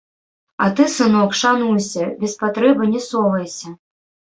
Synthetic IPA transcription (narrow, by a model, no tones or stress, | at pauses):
ɐt̪ɨsɨnɔkʂanujsʲɐbʲɛspat̪ɾɛbɨnʲɛsɔvɐjsʲɐ